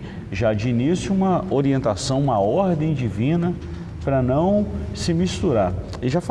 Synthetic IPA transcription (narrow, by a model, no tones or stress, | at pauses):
ʒad͡ʒinisũmɐoɾiẽnt̪asɐ̃w̃ũmɐɔɾd̪ẽj̃d͡ʒivĩnɐ | pɾɐnɐ̃w̃sɪmist̪uɾaɾ | ɪʒaf